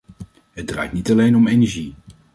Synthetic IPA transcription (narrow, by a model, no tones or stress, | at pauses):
ɦəd̚dra̰jtnitɑlejnɔmejnɛɹʒi